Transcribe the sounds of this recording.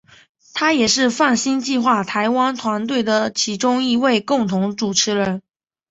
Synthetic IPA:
t̪ʰa˥jɛ˨˩ʂɻ̩˥˧fa˥˩nɕi˥nt͡ɕi˥˧xwa˥˩t̪ʰa˧˥ɪwa˥nt̪ʰwa˧˥nt̪we˥˩ɪd̪ə˩t͡ɕʰi˧˥ʈ͡ʂʊ˥ŋi˧˥we˥˧ɪkʊ˥˩ŋt̪ʰʊ˧˥ŋʈ͡ʂu˨˩ʈ͡ʂʰɻ̩˧˥˦ɻə˧˦n

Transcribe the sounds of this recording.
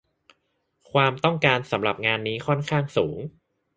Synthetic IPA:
kʰwaː˧mt̪ɔ˥˩ŋkaː˧nsa˩˦mɾa˨˩p̚ŋaː˧nːiː˦˥kʰɔ˥˩nkʰaː˥˩ŋsuː˩˦ŋ

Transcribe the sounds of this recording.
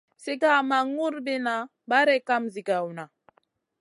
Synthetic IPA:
si˦ɡa˦ma˨ŋu˦ɾbi˦na˨ | ba˦ɾɛ˦ka˦mzi˨ɡa˨wna˨

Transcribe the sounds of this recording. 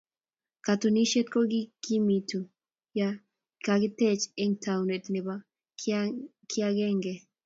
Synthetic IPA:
ka˨t̪u˨ni˦ʃe˦t̪ko˦ɡi˦ɡ̥i˦mi˨tu˨ | ja | kaɡɪ˦t̪ɛ˦t͡ʃe˦ŋtʰa˨wne˨t̪nɪ˨ba˦ | kʰɪ˦a˦ɡɛ˦ŋɡɛ˨

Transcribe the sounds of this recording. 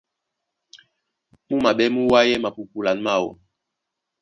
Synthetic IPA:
mu˦ma˨ɓɛ˦mu˦wa˦jɛ˦ma˨pu˨pu˨la˨nma˦˨wɔ̰˨

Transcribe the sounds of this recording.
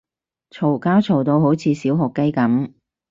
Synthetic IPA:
t͡sʰo˨˩wkaː˥wt͡sʰo˨˩wt̪o˧wɦo˨˥wt͡sʰiː˨˧siː˨˥wɦʊ˨kːɐ˥jkɐ˨˥m

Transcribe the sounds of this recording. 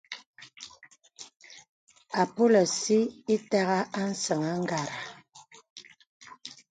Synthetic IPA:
a˨po˦lɔ˨si˦i˦ta˦ɣa˦a˦n̩˦sə˨ŋa˦ŋ˦ɡa˨ɾa˨

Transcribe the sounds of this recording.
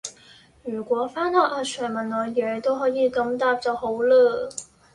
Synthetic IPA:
jyː˨˩kʷɔː˨˥faː˥nɔː˨ʔaː˧t͡ʃʰœː˨˩ŋmɐ˨˩nːɔː˨˧jɛː˨˧t̪o˥wɦɔː˨˥jiː˨˧kɐ˧mt̪aː˧p̚t͡sɐ˨˧who˨˥wləː˧

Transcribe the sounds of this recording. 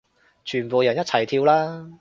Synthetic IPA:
t͡ʃʰyː˨˩npo˨wjɐ˨˩njɐ˥t̚t͡sʰɐ˨˩jt̪ʰiː˧wlaː˥

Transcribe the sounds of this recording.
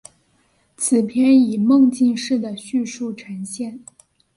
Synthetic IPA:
t͡sʰɹ̩˨˩pʰjɛ˥˩ni˨˩mɤ˥˧ŋt͡ɕi˥˧ŋʂɻ̩˥˩d̪ə˩ɕy˥˧ʂu˥˩ʈ͡ʂʰə˧˥ŋɕjɛ˥˩n

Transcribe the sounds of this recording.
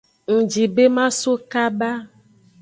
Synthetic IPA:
ŋ̩̃˨d͡ʒi˨be˦mã˦so˦ka˦ba˦

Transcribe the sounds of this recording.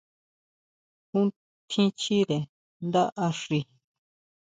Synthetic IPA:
kũ˦ | t̪ʰĩ˦t͡ʃi˦ðe˨ | nd̪a˦ʔa˧ʂi˧

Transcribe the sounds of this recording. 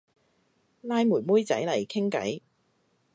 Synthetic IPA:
laː˧jmuː˨˩nmuː˥jt͡sɐ̰˨˥jlɐ˨˩jkʰɪ˥ŋkɐ̰˨˥j

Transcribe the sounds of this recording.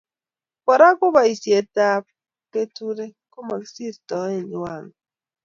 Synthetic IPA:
kɔ˨ɾa˦kʷʊ˦ba˨i˨si˨e˨ta˦˨˦p̚ | ke˦tu˦ɾe˦ko˦ma˨ksi˦˨ttɔ˨˦e˦˨ɲi˨wa˦˨ŋ̩˨

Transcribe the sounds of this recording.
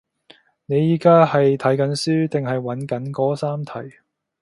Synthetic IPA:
ne˨˧jiː˨˥kaː˥hɐ˨jt̪ʰɐ˨˥jkɐ˨˧˥nsyː˥t̪ɪ˨ŋɦɐ˨jwɐ˨˥nkɐ˨˥nkɔː˥saː˥mt̪ʰɐ˨˩j

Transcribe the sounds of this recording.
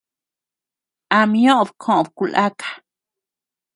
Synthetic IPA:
a˧mjõ˦ʔbkʰõ˨ʔbku˨lʔa˦kḁ˨

